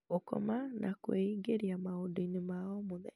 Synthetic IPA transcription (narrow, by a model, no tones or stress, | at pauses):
okɔ̰manʔakweiɡeɾiamaodoinemaɔmoðɛ